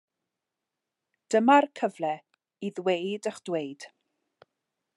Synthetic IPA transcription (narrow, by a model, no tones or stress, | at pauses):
d̥əmarkʰəvlɛ | iðwejdəχd̥wejd̥